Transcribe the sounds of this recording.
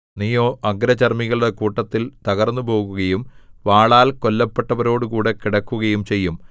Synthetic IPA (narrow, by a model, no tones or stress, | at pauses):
nijoːʔɐɡɾɐt͡ɕɐrmiɣɐɭɽekuːʈːɐt̪ːilt̪ɐɣɐrnːubo̞ːɣuɣɐjumʋaːɭaːlko̞lːɐpːe̞ʈːɐʋɐɾo̞ːɽɨkuːɽe̞kiɽɐkːuɣɐjumt͡ɕe̞jːum